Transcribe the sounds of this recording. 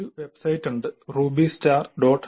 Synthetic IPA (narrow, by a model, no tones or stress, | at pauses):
uʋebsɐjʈːɐɳɖɨruːbisʈaːɾɖoːʈ